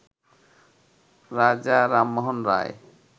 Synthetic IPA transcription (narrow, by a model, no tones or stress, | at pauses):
ɾad͡ʑaɾamːɔɦɔnɾa̰j